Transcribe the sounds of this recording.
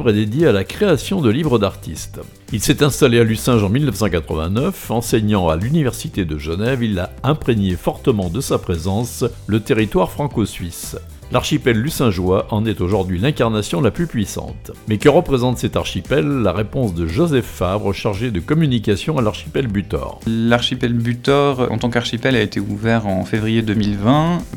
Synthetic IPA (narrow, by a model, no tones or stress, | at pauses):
vʁɛd̪ed̪jealakχeasjɔ̃d̪əlivʁəd̪aʁt̪ist̪ | ilsɛt̪ɛ̃st̪alealysɛ̃ʒɑ̃milnəfsɑ̃kat̪χə̰vɛ̰̃nœfɑ̃sɛɲɑ̃a̰lynivɛʁsit̪ed̪əʒənɛvilaɛ̃pχeɲefɔʁt̪əmɑ̃d̪əsapχezɑ̃slət̪eʁit̪waʁfχɑ̃kɔsɥis | lʔaʁʃipɛlːysɛ̃ʒwaʔɑ̃nɛt̪oʒuʁd̪ɥilɛ̃kaʁnasjɔ̃laplypɥisɑ̰̃t̪mɛkəʁəpχezɑ̃t̪sɛt̪aʁʃipɛlːaʁepɔ̃sd̪əʒozɛfːabʁəʃaʁʒed̪əkɔmynikasjɔ̃alaʁʃi̥pɛlbyt̪ɔ̰ːʁlaʁʃipɛlbyt̪ɔʁɑ̰̃t̪ɑ̃kaʁʃipɛlaet̪ʰeuvɛʁɑ̃fevʁijed̪əmilvɛ̃